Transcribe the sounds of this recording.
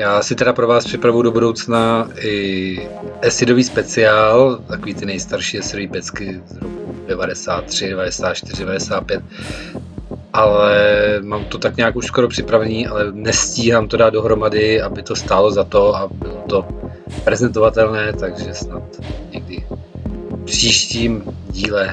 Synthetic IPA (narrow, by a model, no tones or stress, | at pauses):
jaːsɪt̪ɛɾapɾo̞vaːspr̥ɪpɾavujudo̞budo̞wt͡snaʔɪ | ʔɛsɪdo̞viːspɛt͡sɪaːlt̪akoviːt̪ɪnɛjst̪aɾʃiːɛsɪdoviːpɛt͡skɪzɾokudɛvadɛsaːt̪ːr̝̥ɪdɛvadɛsaːt̪t͡ʃt̪ɪrɪdɛvadɛsaːt̪̚pjɛt̪̚ | ʔalɛmaːmt̪ot̪akɲaːkuʃskoɾopr̝̥ɪpɾavɛniːʔalɛnɛsciːɦaːmt̪odaːd̪̚do̞ɦɾo̞madɪabɪt̪o̞st̪aːlo̞zat̪o̞abɪlo̞t̪o̞ | pɾɛzɛnt̪o̞vat̪ɛlnɛːt̪aɡʒɛsnat̪ɲɛɡ̚dɪ | pr̥iːʃciːmɟiːlɛ